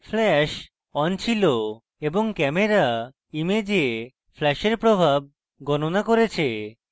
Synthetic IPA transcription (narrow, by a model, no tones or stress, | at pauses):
flɛʃ | ɔnt͡ɕʰilo | eboŋkɛmeɾa | imed͡ʑie | fʰlɛʃeɾpɾobʱab̚ | ɡɔnonakoɾet͡ɕʰe